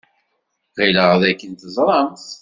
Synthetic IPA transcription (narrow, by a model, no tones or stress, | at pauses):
ʁiləʁðækːənt̪əzˤɾˤɑmθ